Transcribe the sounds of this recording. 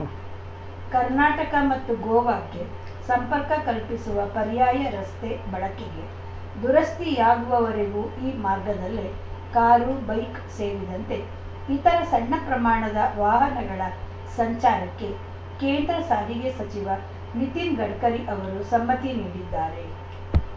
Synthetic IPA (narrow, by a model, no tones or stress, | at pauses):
kɐɾnaːʈɐkɐmɐt̪ːuɡɔːʋaːkːe̞ | sɐmpɐɾkɐkɐlpisuʋɐpɐɾjaːjɐɾɐst̪ebɐɭɐkeɡe̞ | d̪uɾɐst̪ijaːɡuʋɐʋɐɾeɡuiːmaːɾɡɐd̪ɐlːe | kaːɾubɐjk | se̞ːɾid̪ɐnt̪e̞ | it̪ɐɾɐsɐɳːɐpɾɐmaːɳɐd̪ɐʋaːɦɐnɐɡɐɭɐ | sɐɲt͡ʃaːɾɐkːe̞ | keːnd̪ɾɐsaːɦiɡesɐt͡ʃiʋɐ | nit̪inɡɐɽkɐɾiʔɐʋɐɾusɐmːɐt̪iniːɽid̪ːaːɾe̞